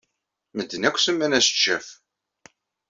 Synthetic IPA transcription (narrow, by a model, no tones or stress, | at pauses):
məd̪ːənækʷːsəmːænæsə̥t͡ʃːæf